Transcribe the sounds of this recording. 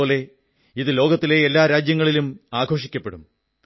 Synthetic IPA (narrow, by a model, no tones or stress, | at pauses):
oːle̞ | iðɨlo̞ːɡɐt̪ːile̞elːaːɾaːd͡ʑjɐŋːɐɭilumaːɡʱo̞ːʂikʲːɐpːe̞ɽum